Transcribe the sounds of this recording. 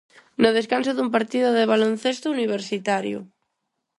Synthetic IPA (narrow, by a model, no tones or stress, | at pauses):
noð̞eskansoðumpaɾt̪iðoðeβ̞alon̟θest̪ouniβ̞eɾsit̪aɾjo̰